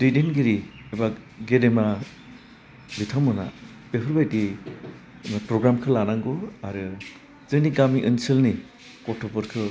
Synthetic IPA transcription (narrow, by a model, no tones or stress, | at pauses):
ɾidenɡiɾieba | ɡedema | bitʰamɯna̰ | b̥epʰɯɾbajdi | mapɾɔɡɾamkʰɯlanaŋɡɔaɾɯ | z̥ɯŋniɡamiʔɯnsɯlni | kɔtʰɔpɯɾkʰɯ